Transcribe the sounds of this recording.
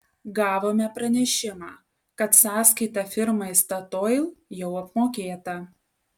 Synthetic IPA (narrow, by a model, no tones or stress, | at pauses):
ɡɑːʋoːmʲɛpɾɐnʲɛʃʲɪmɑː | kɐt̪sɑːskɐɪt̪ɐfʲɪɾmɐɪst̪ɐt̪oːɪlˠjɛʊɐpmoːkʲeːt̪ɐ